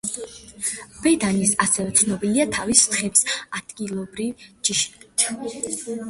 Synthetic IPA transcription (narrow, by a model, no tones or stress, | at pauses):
bɛd̪anisasɛvɛt̪sʰnɔbiliat̪ʰavist̪χɛbisad̪̥ɡʼilˠɔbɾivd͡ʒiʃi̥it̪ʰ